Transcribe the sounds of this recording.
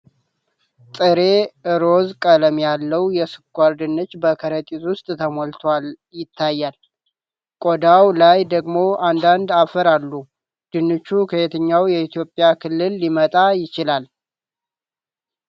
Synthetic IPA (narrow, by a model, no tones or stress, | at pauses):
t̪ʼɨɾe̞ʔɨɾozkʼələmjalːəwjɛsɨkʷʼːaɾd̪ɨnːɨt͡ʃːbəkʰəɾət̪ʼit̪wʊst̪ʼt̪ʰəmolt̪ʰwal | jɪt̪ʰːajːal | kʼod̪awlajd̪əɡmo̞and̪and̪afəɾalːu | d̪̥ɨnːɨt͡ʃːukʰəet̪ʰəɲːawjɛit̪ʰjo̞pʼːjakʰɨlːɨlːimət̪ʼajɪt͡ʃɪlal